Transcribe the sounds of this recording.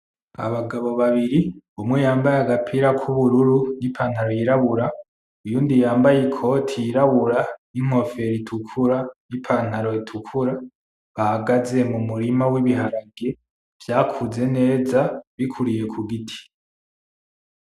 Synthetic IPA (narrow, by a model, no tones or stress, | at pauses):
a̰βaɡaβo̞βaβiɾi | umŋejaːmbajaɡapʰiɾakʰuβuɾuɾunipʰaːn̥haɾojiɾaβuɾa | ujuːndijaːmbajikʰo̞tʰijiɾaβuɾaniŋ̥o̞fe̞ɾitʰukʰuɾanipʰan̥haɾo̞itʰukʰuɾa | βahaɡaze̞mumuɾimawiβiɦaɾaɡe | v̥jaːkʰuze̞ne̞ːzaβikʰuɾije̞kʰuɡitʰi̥